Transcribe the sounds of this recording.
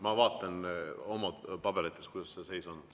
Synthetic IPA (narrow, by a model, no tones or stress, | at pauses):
mɑvɑːt̪ːˑɑno̞mɑpɑb̥eɾet̪ːˑeskujd̪̥ɑsːese̞jso̞n